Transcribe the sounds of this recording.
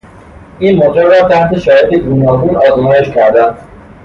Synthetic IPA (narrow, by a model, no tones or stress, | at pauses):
iːnmod͡ʒeɾɾɒːt̪ʰæht̪ʰe̞ʃɒːhed̪eɡuːnɒːɡuːnɒːzmɒːje̞ʃcʰæɾd̪æn